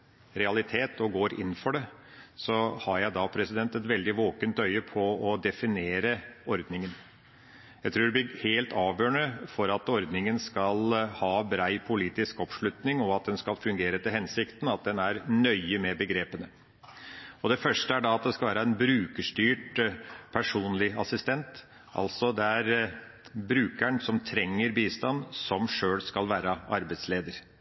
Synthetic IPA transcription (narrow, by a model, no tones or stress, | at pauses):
ɾɛɑlɪt̪ʰeːt̪ʰɔɡoːɾɪ̰nːfɔɖɛsɔhɑɾjæɪd̪ɑpʰɾɛsɪd̪ɛnt̪ɛt̪ʋɛld̪ɪʋoːkənt̪œʏəpʰɔɔd̪ɛfɪneːɾəɔɾd̪nɪŋən | jæɪt̪ʰɾuːɖɛb̪ɪheːlt̪ɑːʋjøːɳəfɔɾɑt̪ɔɾd̪nɪŋənskɑlhɑːbɾæɪpʰʊliːt̪ɪskɔpʂɭʉt̪nɪŋɔɑt̪̚d̪ɛnskɑlfʉŋɡeːɾət̪ɪlhɛnsɪkt̪n̩ɑt̪̚d̪ɛnæɾnœʏəmɛbəɡɾeːpənə | ɔd̪ɛfœʂʈəæɖɑɑt̪̚d̪ɛskɑʋæːɾəɛnbɾʉːkəʂʈyːʈpʰæʂuːnlɪɑsɪst̪ɛnt̪ | ʔɑ̰lsɔd̪ɛæɾ | bɾʉːkæɳsɔmt̪ʰɾɛŋːəɾbiːst̪ɑnsɔmʂøːlskɑlʋæːɾəʔɑɾbæɪsleːd̪əɾ